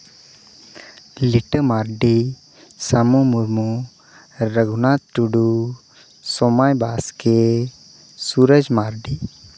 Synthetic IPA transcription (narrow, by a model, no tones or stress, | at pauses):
liʈəmaːɾɖi | samomuɾmu | ɾəɡunaːt̪̚ʈuɖu | somaːjbaːske | suɾəd͡ʒmaːɾɖi